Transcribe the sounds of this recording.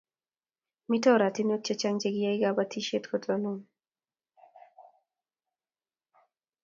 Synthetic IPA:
mɪ˦tɔ˦˨ɾa˨tɪ˦no˦t͡ʃe˦t͡ʃa˦ŋd͡ʒeɡɪ˦ja˦ɪɡabatʰi˦ʃe˦t̪kɔtʰɔnu˦m

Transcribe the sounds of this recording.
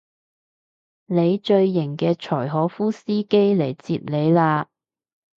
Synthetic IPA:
ne˨˧jt͡ʃɵ˧ɥːɪ˨˩ŋkɛː˧t͡ʃʰɔː˨˩jɦɔː˨˥fuː˥siː˥ke˥jle˨˩jt͡siː˧t̚le˨˧jlaː˧

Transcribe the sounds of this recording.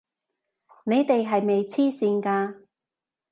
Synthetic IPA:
ne˨˧jt̪e˨jɦɐ˨jme˨jt͡sʰiː˥siː˧nkaː˧

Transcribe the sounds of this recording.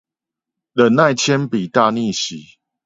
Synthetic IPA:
lə˨˩nna˥˨ɪt͡ɕʰjɛ˦npi˨˩t̪a˥˧˨ni˥˨ɕi˨˩˦

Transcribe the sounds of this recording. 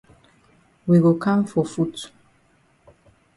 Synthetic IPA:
wi˨wo˨kã˦mfɔ˨fu˦t

